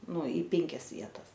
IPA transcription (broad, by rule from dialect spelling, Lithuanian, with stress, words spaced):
ˈnʊ iː ˈpʲɛŋʲkʲɛs ˈʋʲiɛtɐs